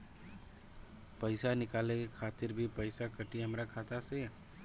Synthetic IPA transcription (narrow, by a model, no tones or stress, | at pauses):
pəɪsanɪkaːlẽkekʰaːt̪ɪɾbʱipəɪsakəʈiɦəmɾakʰaːt̪ase